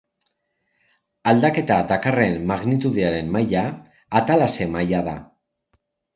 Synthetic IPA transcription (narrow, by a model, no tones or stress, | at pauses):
ald̪ake̞t̪ad̪akare̞mːaɣnit̪uðiaɾe̞mmajaː | t̪alase̞majaða